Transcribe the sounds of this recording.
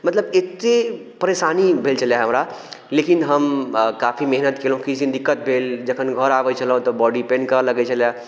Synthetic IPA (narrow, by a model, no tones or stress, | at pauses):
mət̪ləbet̪ːe | pəɾesanibʱelt͡ʃʰəljaɦəmɾalekinɦəmkapʰimɛɦnət̪kelɦũkiind̪ikːət̪̚bʱeld͡ʒəkʰənɡʱəɾaʋɛt͡ʃʰəlɦũt̪ɔbɔɖipẽnkələɡɛt͡ʃʰəlja